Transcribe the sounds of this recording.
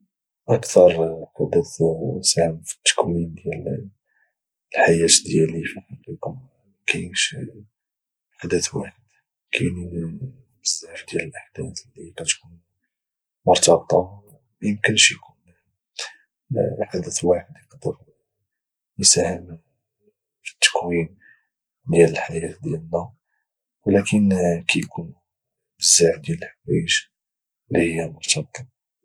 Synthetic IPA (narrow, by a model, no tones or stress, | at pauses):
ʔəkt̪ɑɾˤħɑd̪ət̪sahəmfə̥t̪ːə̥kumind̪jæl | lħajæt̪d̪jælifiħɑlikʊm | kʰæjʃ | ħad̪ət̪waħəd̪̥ | kʰæjni | məzaʕfd̪jæləlʔaħd̪̥æθlːiqæt̪kun | mʊɾˤt̪ɑbt̪ˤɑ | bjəmkənʃjkun | ħad̪ət̪lwaħəd̪jəqd̪əɾ | jəsæhəm | fi̥t̪ːə̥kwin | d̪jæləlħajæt̪d̪jælnːæ | wlækənkæjkʰun | bəzːaħd̪jæləlħawæ̰jəʒ | lːihəjːæmʊɾt̪ʰɑb̚t̪ˤɑ